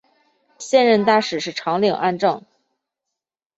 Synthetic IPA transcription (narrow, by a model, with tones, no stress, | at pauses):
ɕjɛ˥˧nɻə˥˧nt̪a˥˩ʂɻ̩˨˩ʂɻ̩˥˩ʈ͡ʂʰɑ˧˥ŋli˨˩ŋʔa̰˥˧nʈ͡ʂɤ˥˩ŋ